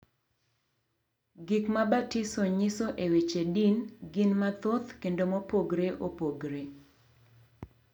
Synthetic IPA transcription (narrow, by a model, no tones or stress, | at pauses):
ɡikmabatɪsoɲɪsoʔewet͡ʃedinɡɪnmat̪ot̪kendomopoɡɾeʔopoɡɾe